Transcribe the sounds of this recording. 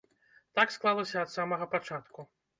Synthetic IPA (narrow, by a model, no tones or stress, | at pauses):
t̪aksklˠalˠɐsʲɐɐːt̪samɐɣɐpat͡ʂat̪ku